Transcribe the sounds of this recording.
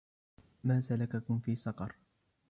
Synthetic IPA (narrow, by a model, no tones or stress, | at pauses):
maːsalakakʊmfiːsɑqɑɾˤ